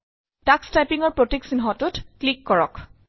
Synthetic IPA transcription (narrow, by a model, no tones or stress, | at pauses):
takstajpiŋɔɹpɹotiksinɦɔtʊtklikːɔɹɔk